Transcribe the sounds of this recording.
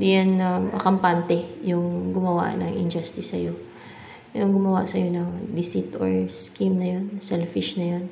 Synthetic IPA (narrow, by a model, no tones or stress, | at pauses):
d̪ijanɐmʔɐ̰kɐmpant̪ɛjʊŋɡʊmɐwa̰nɐ̰ŋʔɪ̰nd͡ʒast̪ɪsːɐjo̞ | jʊŋɡʊmɐwa̰ʔsɐjo̞nɐŋd̪ɪsit̪o̰ɹskimnɐjo̞nsɛlfɪʃnɐjo̞n